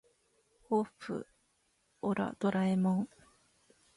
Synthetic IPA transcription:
hoɸɯ̟̰ | oɾa̰d̪̥oɾaimõŋ

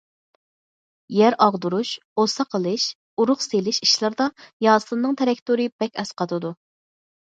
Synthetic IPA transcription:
jæɾɑʁd̪uɾuʃ | osɑqʰəlˠɨʃ | uɾʊχselɪʃiʃlˠɨɾd̪ɑjɑːslˠɨnːɨŋt̪ʰeɾɛkʲt̪uɾɨbɛkʲɛsqʰɑt̪ʰɨd̪u

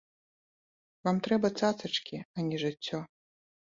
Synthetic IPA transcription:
vamt̪ɾɛbɐt̪sat̪sɐt͡ʂkʲiɐnʲɛʐɨt͡sʲːɔ

